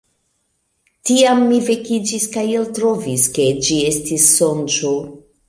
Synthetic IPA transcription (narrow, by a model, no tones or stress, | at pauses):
tiamːivekid͡ʒiskajeltɾoviske̞d͡ʒie̞stisːont͡ʃo